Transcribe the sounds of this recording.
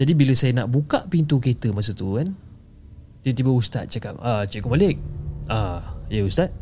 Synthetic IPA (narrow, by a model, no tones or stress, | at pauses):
d͡ʒadibiləsajənaʔbukaʔpint̪uket̪əmas̬ət̪ukan | t̪it̪ibəust̪a̰t̪̚t͡ʃakapat͡ʃakaʔmalɪk̚ajəust̪at̪̚